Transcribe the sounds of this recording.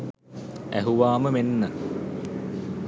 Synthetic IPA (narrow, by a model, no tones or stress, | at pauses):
æ̰ɦuʋaːməmenːə